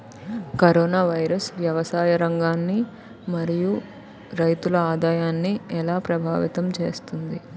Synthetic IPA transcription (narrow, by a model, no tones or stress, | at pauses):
kɐɾoːnaːʋɐjɾɐsʋjɐʋɐsaːjɐɾɐŋɡaːnːi | mɐɾiju | ɾɐjt̪ulɐaːd̪aːjaːnːiɛlaːpɾɐbʱaːʋit̪ɐmt͡ʃe̞̰ːst̪und̪i